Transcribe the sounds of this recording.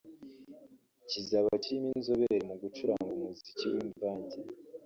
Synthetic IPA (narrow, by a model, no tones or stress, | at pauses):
cizaβaciɾiminzoβeɾimuɡut͡ʃuɾa̰ŋɡumuziciwiɱvaːɲɟe